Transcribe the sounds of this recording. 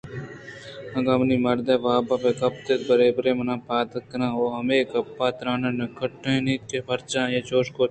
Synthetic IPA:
ɐɡamnimɐɾd̪ebaːbɐpekɐp̚t̪et̪̚bɐɾeːbɾeːmɐnaːpaːt̪ɐkːɐnãːoːɦɐmeːkɐpːaːt̪ɾãːnɐnɐkʰɐʈːẽniːt̪kepʰɐɾt͡ʃãːjet͡ʃoːʃkoː

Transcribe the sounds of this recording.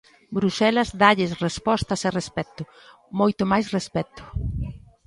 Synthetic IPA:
bɾuʃɛlazd̪aʎɪsrespɔst̪ɐserespɛt̪ʊ | mojt̪ʊmajsrespɛt̪ʊ̥

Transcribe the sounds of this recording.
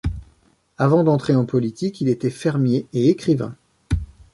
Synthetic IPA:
avɑ̃d̪ɑ̃t̪χeɑ̃pɔlit̪ikʲilet̪ɛfɛʁmjeeːkχivɛ̰̃

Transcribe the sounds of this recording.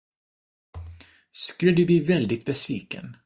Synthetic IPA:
skɵləd̪ɵb̪iːvɛld̪ɪt̪̚bɛsviːkə̰n

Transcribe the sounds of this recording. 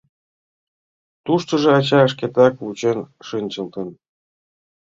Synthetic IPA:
t̪uʃt̪ɤ̆ʐɤ̆ɑt͡ɕɑə̆ʂkʲet̪ɑkvut͡ɕĕnʂɯnʲt͡ɕɤ̆lˠt̪ɤ̆n

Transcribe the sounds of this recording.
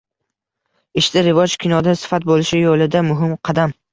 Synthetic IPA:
ɪʃd̪ɪɾɪvɒd͡ʒkʲʰɪnɒd̪asɪ̥fat̪̚bolɪʃɪjolɪd̪amʊɦɪmqʰɑd̪am

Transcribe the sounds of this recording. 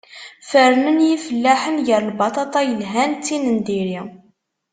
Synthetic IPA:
fəɾnənjifəlːæħənʝəɾlbɑt̪ˤɑt̪ˤɑjəlɦænt͡sːinənd̪iɾi

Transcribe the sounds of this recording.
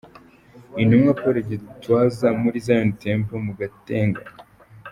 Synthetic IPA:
inumwapoɾeɟitwaːzamuɾizajontempomuɡateːŋɡa

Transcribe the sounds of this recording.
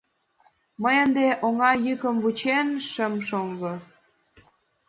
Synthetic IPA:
məjənd̪eʔoŋɑjykə̆mvut͡ɕenʃəmʃoŋɡɤ

